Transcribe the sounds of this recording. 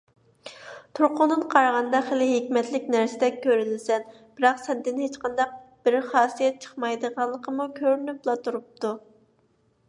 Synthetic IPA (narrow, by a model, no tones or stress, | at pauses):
t̪ʰuɾqʊnd̪ɨnqʰɑɾɑʁɑnd̪ɑχelɪɦɪkʲmɛt̪lɪkʲnæɾsɪd̪ɛk̚ʲʰːøɾynɪsɛn | b̥ɪɾɑqsɛnd̪ɪnhet͡ʃqʰɑnd̪ɑq̚b̥ɪɾχɑːsijɛt̪̚t͡ʃʰə̥χmɑjd̪əʁɑnlːˠəqʰəmukʲʰøɾynyplˠɑt̪ʰuɾup̚t̪u